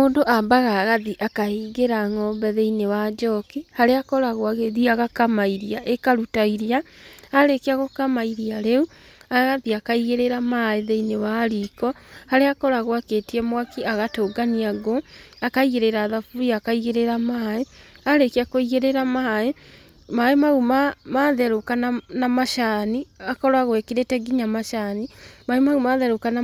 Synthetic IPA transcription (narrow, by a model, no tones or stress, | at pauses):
moːndoʔambaɣaɣaðiʔakahiːɣeɾaŋɔmbɛðeinewad͡ʒɔkihaɾeakɔɾaɣwaɣeðiaɣakamaiɾiaʔekaɾutaiɾiaaɾekeaɣokamaiɾiaɾeu | aɣaðiakaiɣeɾeɾamaeðeinewaɾikɔhaɾeakɔɾaɣoaketiɛmwakiaɣatoːɡaniaɣoakaiɣeɾeɾaðafuɾiakaiɣeɾeɾamaeaɾekiakoiɣeɾeɾamae | maemaɣumamaðɛɾokananamaʃaniakɔɾwaɣwɛkiɾetɛɡiɲamaʃanimaemaɣumaːðɛɾokana